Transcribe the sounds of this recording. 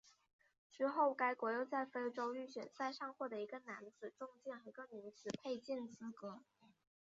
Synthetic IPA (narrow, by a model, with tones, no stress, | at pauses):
t͡ɕy˧˥xo˥˩ʊka˥ɪkwɔ˧˥jo˥˧ʊt͡sa˥˩ɪfe˥ɪʈ͡ʂo˥ʊy˥˩ɕɥɛ̰˨˩nt͡sa˥˧ɪʂɑ˥˧ŋxwɔ˥˩d̪ə˩i˧˥ɡə˧na˧˥nd͡zɹ̩˨˩ʈ͡ʂʊ˥˧ŋt͡ɕjɛ˥˩n˩i˧˥ɡə˧ny˧˥t͡sɹ̩˨˩pʰe˥˧ɪt͡ɕi˥˩nt͡sɹ̩˥kɤ˧˥